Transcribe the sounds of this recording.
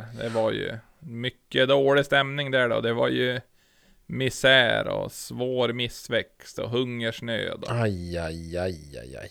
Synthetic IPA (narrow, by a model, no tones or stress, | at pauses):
d̪ɛvaɾjɵ̰ | mʏkːəd̪oːlɪst̪ɛmnɪŋd̪æɖɔ̰d̪ɛva̰ɾjɵ | mɪsæːɾɔ̰svoːɾmɪsvɛkst̪ɔɦɵŋːəʂɳø̰ːd̪ɔajajaja̰ja̰j